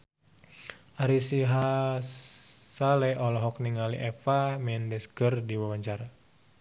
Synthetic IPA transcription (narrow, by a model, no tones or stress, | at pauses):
ʔaɾisiɦa | salɛɔlɔɦɔkniŋalḭʔɛfamɛndɛsɡərdiwawaɲt͡ʃaɾa